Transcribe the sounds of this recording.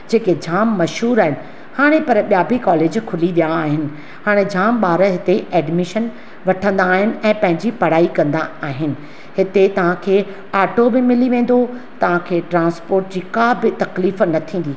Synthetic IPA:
d͡ʑeːked͡ʑʱaːmːɐʃɦuːɾaːɦɪnɪ̆ | haːɽ̃epɐɾɓjaːbɪkɔːleːd͡ʑkʰʊliʋijaaːɦɪnɪ̆ | haːɽ̃ed͡ʑaːmɓaːɾəɦɪt̪eʔɛːɖmɪʃən | ʋɐʈʰə̃nd̪aːɦɪnɪ̆ɛ̃ːpɐ̃ɦɪ̃ɲd͡ʑipɐɽ̤aːikɐ̃nd̪aaːɦɪnɪ̆ | ɦɪt̪et̪ɐʋ̤ãkʰeː | aːʈobɪmɪliʋẽːn̆d̪ot̪ɐʋ̤ãkʰeːʈɾãːnspoːɾʈ̚d͡ʑiːkaːbɪt̪ɐkliːfnɐt̪ʰĩːn̆d̪iː

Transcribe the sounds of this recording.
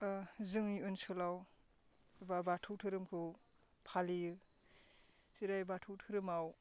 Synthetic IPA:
zɯŋniɯnsɔlaw | babatʰɯwtʰɯɾɯmkʰɯ | pʰalijɯ | siɾajbatʰɯwtʰɯɾɯmaw

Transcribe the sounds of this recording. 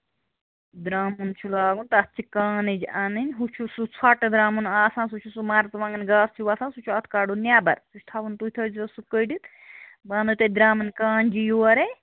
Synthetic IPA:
d̪ɾaːmunt͡ʃʰulaːɡunt̪ɐɐt̪t͡ʃʰikaːnid͡ʒianinʲɦut͡ʃʰusut͡sʰɐʈd̪ɾaːmunaːsãːnsut͡ʃʰusumaːɾt̪ʋãŋɡɐnɡaːst͡ʃʰiʋaːsãːsut͡ʃʰuɐt̪ʰkaːɖunʲjaːbɐ̰ɾsust̪ʰaʋunt̪ut̪ʰɐziɐsukəjɖit̪ | baːnd̪ɨt̪ɐd̪ɾaːmɐnkaːnd͡ʒijoːɐɾe

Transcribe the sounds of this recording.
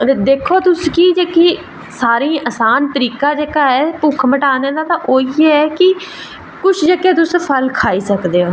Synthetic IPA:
d̪eːkʰoːt̪ʊskiːd͡ʒeːkiː | saːɾĩːʔəsaːnt̪əɾiːkãːd͡ʒeːkaːɦɛːpʊkʰməʈaːneːd̪aːt̪ãːʔoːiɛɛːkɪ | kʊt͡ʃʰd͡ʒekeːt̪ʊspʰəlkʰaːiːsəkd̪eːoː

